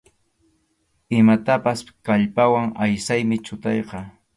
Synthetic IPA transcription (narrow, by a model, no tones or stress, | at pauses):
ɪmat̪apaskaʎpawaŋajsajmɪt͡ʃʊt̪ɑjqɑ